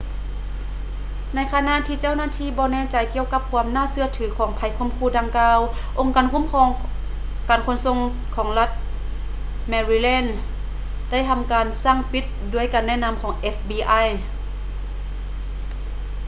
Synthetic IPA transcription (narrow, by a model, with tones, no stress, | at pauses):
na˧˥jkʰaː˧na˧˨ʔt̪ʰiː˧˨t͡ɕa˥˩˨wnaː˧˥˨t̪ʰiː˧˨bɔː˧˦nɛː˧˨t͡ɕa˨˩jki˧əwka˧˥p̚kʰu˧əmnaː˧˥˨sɯ˧ɐt̪ʰɯː˨˩˦kʰɔː˩˦ŋpʰa˨˧˩jkʰu˧˥˨mkʰuː˧˩˨da˧ŋkaː˧wʔo˧ŋkaː˨nkʰu˧˥˨mkʰɔː˧ | kaː˨˩nkʰo˧˥˨nso˧˨ŋ | kʰɔː˩˦ŋla˧t̪̚ | mɛː˧ɾiː˧lɛː˧˥˨n | da˥˩˨jtʰa˧˨mkaː˨nsaː˧˥˩ŋpi˧˦˥t̪̚duː˧˥əjkaː˨nːɛː˧˥˨na˧˥˨mkʰɔː˩˦ŋʔe˦˧˥fbiː˧ʔa˧˥˨j